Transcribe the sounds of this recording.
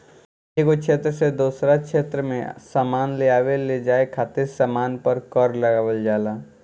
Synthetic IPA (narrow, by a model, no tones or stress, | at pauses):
ekokʃʰeːt̪ɾəsed̪uːsɾakʃʰeːt̪ɾəmḛ̃saːmaːnleaːʋeled͡ʒaːekʰaːt̪ɪɾsamaːnpəɾkɔːɾlɐɡaːʋəld͡ʒaːlaː